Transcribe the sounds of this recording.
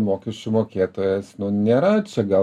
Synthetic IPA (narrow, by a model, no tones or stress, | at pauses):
moːkʲɛʃʲt͡ʃʲʊmoːkʲeːt̪oːjɛsnʊnʲeːɾɐt͡ʃʲɛɡɐ